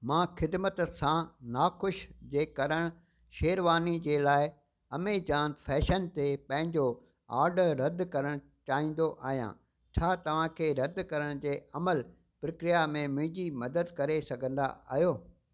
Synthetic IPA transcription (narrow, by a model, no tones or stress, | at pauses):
mãːxɪd̪mət̪sãnaːxʊʃd͡ʑeːkɐɾəɽ̃ | ʃeːɾʋaːnid͡ʑeːlaːɪ | ɐmed͡ʑaːnfʰɛːʃənt̪epɐ̃ɦɪ̃ɲd͡ʑo | a̰ːɾɖɾɐd̪ʱkɐɾəɽ̃ | t͡ɕaːɦĩːn̆d̪oʔaːɦijã̰ː | t͡ɕʰaːt̪ɐʋ̤ãkʰeːɾɐd̪ʱkɐɾəɽ̃d͡ʑeːʔɐməl | pɾəkɾijamẽmʊ̃ʊ̃ɦɪ̃ɲd͡ʑimɐd̪əd̪kɐɾesɐɡʱə̃nd̪a̰aːɦjoː